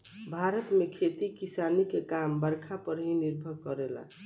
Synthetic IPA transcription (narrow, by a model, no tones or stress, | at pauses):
bʱaɾət̪mekʰet̪ikisanikekambəɾkʰapəɾɦĩniɾbʱəɾkʌɾela̰